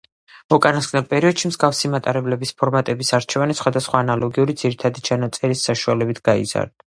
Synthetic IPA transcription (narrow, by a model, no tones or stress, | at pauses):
ɔkʼanasɡnalpʼɛɾiɔd̪ʃimzɡafsimat̪ʼaɾɛblɛbispʰɔɾmat̪ʼɛbisaɾt͡ʃʰɛvanisχwad̪asχwaːnalˠɔɡiuɾid̪ziɾit̪ʰad̪it͡ʃʰanat̪sʼɛɾisːaʃualɛbit̪ʰɡ̥aḭza̰ɾd̪